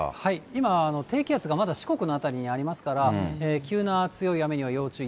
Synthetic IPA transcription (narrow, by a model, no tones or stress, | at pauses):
haiimaːno̞t̪e̞ːkʲiat͡sɨɡamad̪aɕi̥ko̞kɯ̟no̞at̪aɾʲiɲ̟iaɾʲimasɨ̥kaɾaeːkʲɨːnat͡sɨjo̞iame̞ɲ̟iβ̞ajo̞ːt͡ɕɨː